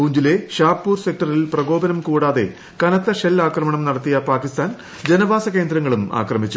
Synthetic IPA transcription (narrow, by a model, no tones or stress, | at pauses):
uːɲd͡ʑile̞ɕaːpːuːrsek̚ʈɐrilprɐɡo̞ːbɐnɐmkuːɽaːðe̞ | kɐnɐt̪ːɐʂelːaːkrɐmɐɳɐmnɐɽɐt̪ːijɐpaːkist̪ʰaːn | d͡ʑe̞nɐbaːsɐke̞ːnd̪ɾɐŋːɐɭuma̰ːkrɐmit͡ɕːu